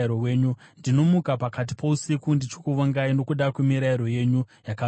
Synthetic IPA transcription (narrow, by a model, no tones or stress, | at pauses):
ɾowe̞ːɲundino̞mukapakat̬i̥pousikundit͡ʃokuʋaŋɡaino̞kuɗakwe̞miɾaiɾo̞je̞ɲujaka